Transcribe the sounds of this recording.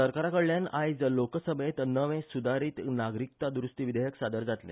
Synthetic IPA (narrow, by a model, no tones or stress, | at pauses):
səɾkaɾakəɭɭjanajd͡zəlokəsəmet̪nəʋẽsud̪ʱaɾiːt̪naɡɾik̚t̪ad̪ɾust̪iʋid̪ʱəjəksad̪əɾd͡zat̪lḛ